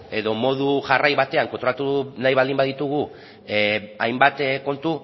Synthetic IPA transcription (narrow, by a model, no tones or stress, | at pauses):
e̞ðo̞mo̞ðuʝarajβat̪e̞aŋkont̪ɾoat̪unajβald̪imbaðit̪uɣu | ajmbat̪ko̞nt̪u